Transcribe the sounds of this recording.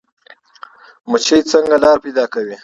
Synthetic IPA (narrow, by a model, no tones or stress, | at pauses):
mʊt͡ʃejt͡səŋɡalɑɾpejd̪ɑkawi